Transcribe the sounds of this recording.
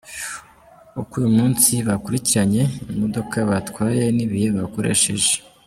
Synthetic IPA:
ukujumuːnsiβakuɾiciɾaɲe̞imo̞do̞kʰaβatwaːje̞niβijeβako̞ɾe̞̰ʃe̞̰ʒe̥

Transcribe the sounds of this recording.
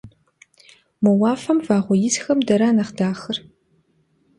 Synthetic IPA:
mɐwaːfɐmvaːʁʷɔjɪzxɐmdɐɾaːnɐχdaːxɨr

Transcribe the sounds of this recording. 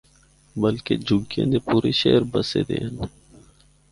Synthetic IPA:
bəlked͡ʒʊɡjḛ̃ːd̪epuːɾeʃeːɾbɐsḛd̪ḛːn

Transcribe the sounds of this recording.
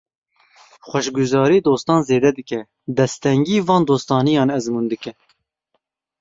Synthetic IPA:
xʷɛʃɡuzɑːɾiːd̪oːst̪ɑːnzeːd̪ɛd̪ɨkɛ | d̪ɛst̪ɛŋɡiːvɑ̃ːnd̪oːst̪ɑːnijɑːnɛzmuːnd̪ɨkɛ

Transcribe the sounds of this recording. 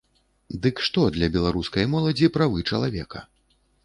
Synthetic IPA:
d̪ɨkʂt̪ɔd̪lʲɐbʲɛlˠaɾuskɐjmɔlˠɐd͡zʲipɾavɨt͡ʂɐlˠavʲɛkɐ̰

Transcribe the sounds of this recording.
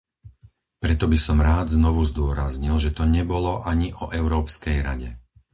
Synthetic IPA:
pɾɛt̪ɔbisɔmɾaːd̪znɔʋuzd̪ʊɔɾazɲilʒɛt̪ɔɲɛbɔlɔʔaɲiʔɔʔɛʊɾɔːpskɛjɾa̰ɟɛ

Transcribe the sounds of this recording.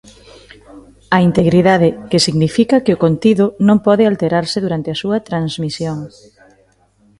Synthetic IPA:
ɐint̪eɣɾiðað̞ɪkesiɣnifikɐkɪʊkont̪iðʊnõŋpɔðɪalt̪eɾaɾsɪðuɾant̪eɐsuɐt̪ɾanzmisjoŋ

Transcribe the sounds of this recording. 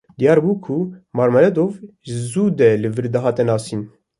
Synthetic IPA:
d̪ijɑːɾbuːkʰumɑːɾmɛlɛd̪ovʒɨzuːd̪ɛlɨvɨɾd̪ɛɦɑːt̪ɛnɑːsiːn

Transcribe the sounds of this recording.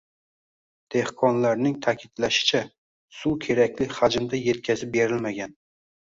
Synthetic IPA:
d̪̥e̞hqʰɒnlaɾnɪŋt̪ʰakʲʰɪd̪laʃɪ̥t͡ʃʰa | sukʲʰe̞ɾakʲlɪhad͡ʒɪmd̪aje̞t̪̚kʲʰazɪp̚be̞ɾɪlmaɡʲan

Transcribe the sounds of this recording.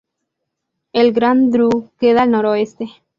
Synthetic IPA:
elɡɾand̪ɾukeðalnoɾoest̪e

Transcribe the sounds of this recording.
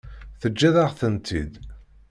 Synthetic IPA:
θəd͡ʒːæðaʁθənt̪ʰid̪

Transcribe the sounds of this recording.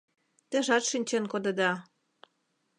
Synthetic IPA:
t̪ə̆ʒɑt̪ʃinʲt͡ɕĕnkod̪ɤ̆d̪ɑ

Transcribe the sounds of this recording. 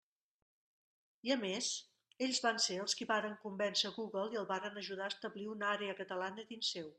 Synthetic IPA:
iəmez | eʎzβanseəlˠskiβaɾəŋkumbɛnzəɣuɣəlˠiəlˠβaɾənəʒuðaəst̪əβliunaɾeəkət̪əlanəðinsew

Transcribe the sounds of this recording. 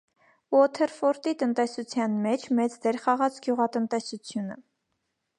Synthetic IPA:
ɔt̪ʰɛɾfɔɾt̪it̪ənt̪ɛsut͡sʰjɑnmɛt͡ʃʰmɛt͡sd̪ɛɾχɑʁɑt͡sɡjuʁɑt̪ənt̪ɛsut͡sʰjunə̰

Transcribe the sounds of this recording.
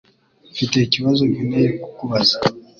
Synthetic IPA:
fite̞iciβazoβineɾiku̥kuβazḁ

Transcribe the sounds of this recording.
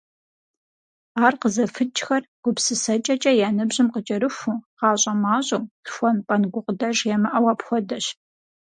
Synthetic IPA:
aːrqəzɐfɨt͡ʃʼxɐrɡ̥ʷʊpsɨsɐt͡ʃʼɐt͡ʃʼɐjaːnɨbʑɪmqət͡ʃʼɐɾɨxʷuːqɑːɕʼɐmaːɕʼomtxʷɔnpʼɐnɡʷʊqʼdɐʒjɛmɐʔɐwɐpxʷɔdɐɕ

